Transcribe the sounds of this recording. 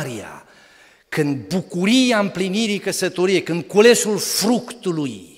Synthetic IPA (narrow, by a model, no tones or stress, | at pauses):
ɾia̰ | kɨnd̪̚bukuɾiampliniɾikəsət̪oɾiekɨnkulesulfɾukt̪uluj